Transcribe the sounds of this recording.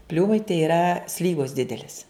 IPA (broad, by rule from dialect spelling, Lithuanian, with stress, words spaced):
ˈpʲlʲuːmɐɪ tɐɪ iːˈrɐ ˈsʲlʲiːʋoːs ˈdʲɪdʲɛlʲɪs